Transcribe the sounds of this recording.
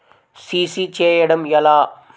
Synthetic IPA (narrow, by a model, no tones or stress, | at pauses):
siːsiːt͡ɕʰeːjeɽəmjɐlaː